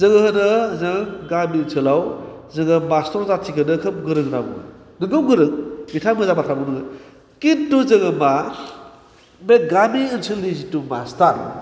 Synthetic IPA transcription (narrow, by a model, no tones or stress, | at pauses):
zɯŋɯhɯnɯzɯŋɡaminsʰɯlaw | zɯŋɯmastɔɾzatʰikʰɯnɯkʰɯmɡɯɾɯŋtabṵŋɯ̰ | nɯŋɡɯwɡɯɾɯŋɡitʰamɯzabatʰɾabunɯŋɯ | kintːuzɯŋɯma | meɡamiɯnsʰɯlːizituma̰staɾ